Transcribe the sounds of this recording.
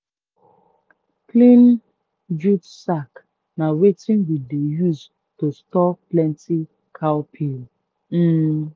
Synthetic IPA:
plĩn | d͡ʒutsak | nawetĩnwidejus | tostɔplɛ̃nti | kʰawpʰil | m̩

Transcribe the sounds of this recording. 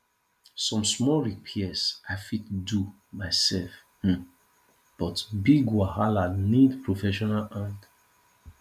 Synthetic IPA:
sɔ̃msmɔɹipʰiɛsafitdu | maɪsɛlf̩ | b̥ɔtbiɡwahalanidpʰɹofɛʃɔnalãt

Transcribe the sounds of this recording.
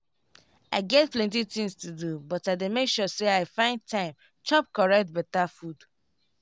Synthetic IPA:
aɪɡɛtplɛ̃ntit̪ĩŋstudubɔtaɪdemekʃɔseaɪfãɪ̃ndtʰãɪ̃m | t͡ʃɔp̚kɔɹɛk̚t̚bɛtafud

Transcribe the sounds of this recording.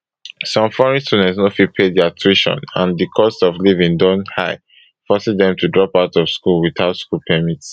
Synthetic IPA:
sɔ̃mfɔɹɛ̃nstunɛ̃snofipʰeddiatʰɹiʃɔ̰̃nã̰ndikʰɔstɔvlivĩŋdɔ̃nthaɪ | fɔsɛdðɛ̃mtudɹɔpaʊtɔv̥skulwiθaʊtskulpʰɛmits

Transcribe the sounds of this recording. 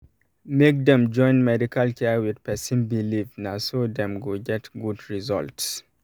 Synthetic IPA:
mek̚dɛ̃md͡ʒɔ̃ɪ̃nmɛdikalkʰɛwidpɛsĩnbilivnasod̪ɛ̃mɡoɡɛtɡudɹizɔ̰lts

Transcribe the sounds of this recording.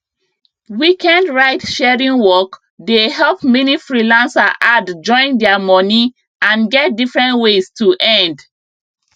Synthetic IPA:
wikɛ̃ndɹaɪtʃɛɹĩŋwɔk | deɦɛlpmɛnifɹilãnsaʔadd͡ʒɔ̃ɪ̃ndɛamɔni | ãnɡɛt̚difɹɛ̃ntwestuʔɛ̃nd

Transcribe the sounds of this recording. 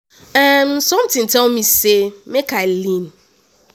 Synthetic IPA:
ɛmsɔ̃mtĩntɛlmisemekalĩn

